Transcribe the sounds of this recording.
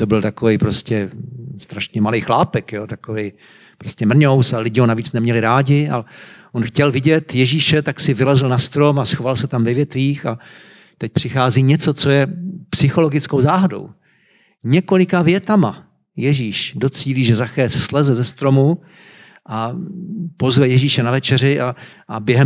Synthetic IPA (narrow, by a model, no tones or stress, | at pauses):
t̪obɪlt̪akovɛjpɾoscɛst̪ɾaʃɲɛmalejxlaːpɛkjoːt̪akovej | pɾoscɛmr̩ɲowsalɪɟɪɦonaviːt͡snɛmɲɛlɪɾaːɟɪa̰lɛʔonxcɛlvɪɟɛt̪jɛʒiːʃɛt̪aksɪvɪlɛzɪlnast̪ɾo̞masxovalsɛt̪amvɛvjɛt̪viːxa | t̪ɛc̚pr̝̥ɪxaːziːɲɛt͡sot͡sojɛpsɪxo̞lo̞ɡɪt͡skowzaːɦado̞̰w | ɲɛko̞lɪkavjɛt̪ama | jɛʒiːʃdot͡siːliːʒɛzaxɛːsslɛzɛzɛst̪ɾo̞mu | ʔa | po̞zvɛjɛʒiːʃɛnavɛt͡ʃɛɾɪʔaʔabjɛɦɛ